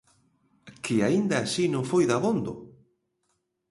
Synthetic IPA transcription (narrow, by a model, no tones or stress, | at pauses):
kʰɪaind̪ɐːsinõŋfojðaβond̪ʊ